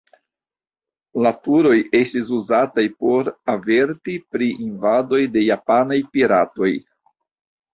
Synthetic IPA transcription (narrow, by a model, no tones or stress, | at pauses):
latuɾo̞je̞stis̬uzatajpo̞ɾave̞ɾtipɾiʔinvado̞jde̞japanajpiɾato̞j